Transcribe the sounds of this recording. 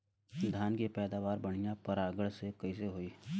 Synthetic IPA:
d̪ʱjaːnkepɛːd̪aːʋaːɾbəɽ̃ijãpəɾaːɡəɽsekɐis̬eɦoːiː

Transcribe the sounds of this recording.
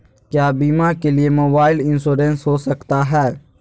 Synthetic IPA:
kjaːbiːmaːkeliemoːbaːɪlɪ̃nsoːɾẽːnsɦoːsəkt̪aɦɛː

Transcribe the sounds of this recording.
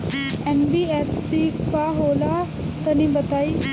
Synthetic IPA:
enbieʈsipaɦola | t̪ənibət̪ai

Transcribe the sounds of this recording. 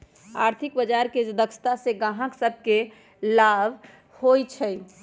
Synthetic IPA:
aɾt̪ʰikbəd͡ʒaɾked͡ʒd̪əksʰə̥t̪aseɡãɦə̃ksəb̚ʱke | labʱ | hojt͡ʃʰəj

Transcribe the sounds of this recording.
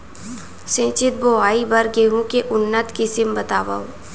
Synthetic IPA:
sẽːt͡ʃɪt̪̚boːaːibəɾɡeːɦũkeʔʊnːət̪kɪsɪmbɐt̪aːʋa̰o

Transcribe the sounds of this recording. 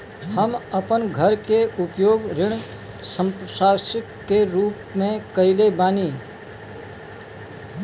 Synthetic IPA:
həməpənɡʱəɾkeʊpjoːɡɾɪɳ̃ | sə̃msaːsɪkːeɾuːpmẽkəɪlebaːniː

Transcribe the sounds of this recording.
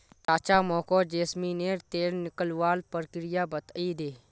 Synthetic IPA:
ʈaːt͡ʃamɔːkoːd͡ʒeːsmineːɾt̪eːlnɪkəlʋaːlpəɾkɾɪjabət̪aid̪eː

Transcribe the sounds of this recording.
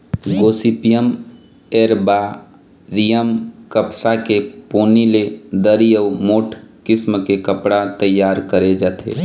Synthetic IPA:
ɡoːsipijəm | eːɾba | ɾijəmkəpsakepoːniled̪əɾijəʊmoːʈʰkɪsmkekəpɽat̪əjːaːɾkəɾed͡ʒaːt̪ʰḛː

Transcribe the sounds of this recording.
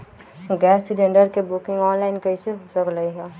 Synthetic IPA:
ɡɛːsd͡ʒeɳɖəɾkebʊkɪ̃ŋɡɔːnlaːɪnkɐiseɦsəklɐiɦɛː

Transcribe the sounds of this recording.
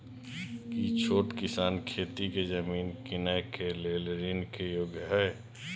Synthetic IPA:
kit͡ʃʰoːʈkɪsaːnkʰeːt̪iked͡ʒəmiːnkɪnəjkelelɾinkejoɡjɦɛ

